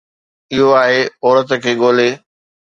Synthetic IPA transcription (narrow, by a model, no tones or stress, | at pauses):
ɪɦoaːɦeɔːɾət̪̆kʰeːɠoːleː